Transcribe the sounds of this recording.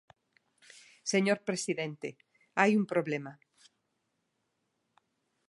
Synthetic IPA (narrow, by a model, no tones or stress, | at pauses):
seɲoɾpɾesiðẽnt̪e | ajumpɾoβlema